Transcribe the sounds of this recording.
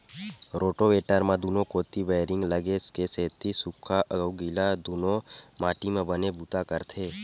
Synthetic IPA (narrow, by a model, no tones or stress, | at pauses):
ɾoːʈoʋeʈəɾmãd̪unõkot̪iʋejɾɪŋɡləɡeskeseːt̪isukʰaʔəɡəwɡilad̪unõmaːʈimãbənebut̪akəɾt̪ʰe